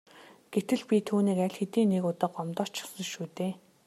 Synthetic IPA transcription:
ɡ̥et̪ɘ̆ɮpʲit̪ʰuːniːkæɮxet̪iːnekʊt̪ɔ̆ːqɔmt̪ɔːt͡ɕʰɔ̥sɞ̆ʃuːt̪eː

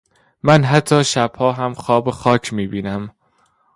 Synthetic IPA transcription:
mænɦæt̪ʰːɒːʃæb̥hɒːɦæmxɒːbexɒːcʰmiːbiːnæm

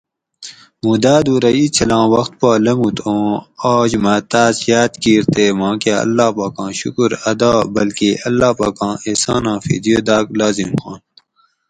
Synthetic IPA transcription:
mũːd̪aːd̪uːɾɐit͡ɕʰɐlãːwɐxt̪̚paːlɐmut̪ʰõːaːd͡ʑmɐt̪aːzjaːt̪kiːɾt̪eːmãːkjaːɐ̰lːaːpaːkãːɕṵkuɾɐd̪aːbɐlkeɐlːaːpa̰ːkɑ̃ːeːsãːnãːfḭːd̪ijoːd̪aːklaːzimxã̰ːn

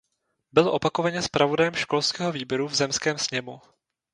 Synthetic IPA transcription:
bɪlʔo̞pakovaɲɛspɾʔavo̞dajɛmʃko̞lskɛːɦo̞viːbjɛɾuvzɛmskɛːmsɲɛmu

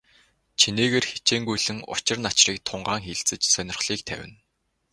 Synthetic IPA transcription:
t͡ɕʰineːɣeːrxe̥t͡ɕeːŋɡujɮɘ̆ŋʊ̰t͡ɕɪ̆rnat͡ɕriːk̚t̪ʰʊɴɢaːŋxeɮt͡sɘ̆t͡ɕsœnʲɪ̆rχɮ̥iːk̚t̪ʰæ̰wʲɘ̰̆n

